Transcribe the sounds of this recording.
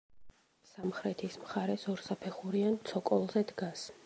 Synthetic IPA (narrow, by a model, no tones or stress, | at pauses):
samχɾɛt̪ʰismχaɾɛsɔɾsapʰɛχuɾiant̪sʰɔkʼɔlˠzɛd̪ɡas